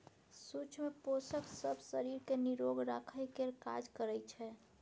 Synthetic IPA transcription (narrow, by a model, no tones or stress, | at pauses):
sut͡ʃʰmeposəksəbʱsəɾiɾkeniɾoɡɾakʰəjkeɾkad͡ʒkəɾəjt͡ʃʰɛ